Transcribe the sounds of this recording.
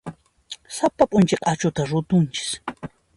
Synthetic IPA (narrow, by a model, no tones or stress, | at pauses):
sapapʼʊnt͡ʃeqʼat͡ʃʊt̪aɾʊt̪ʊnt͡ʃɪ̥s